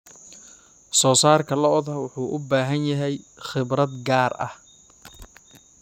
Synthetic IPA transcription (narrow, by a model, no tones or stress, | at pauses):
sɔːsaːrkʰɐlɐʔɔðɐwʊħuːʔʊbaːɦɐnjɐɦɛjχɪbrɐd̪ɡaːrʔɐ̰h